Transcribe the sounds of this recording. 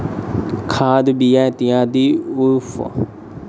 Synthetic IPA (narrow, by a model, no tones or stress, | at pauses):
kʰaːd̪biːɛ̃ːt̪ɪjãːd̪iːʊpʰ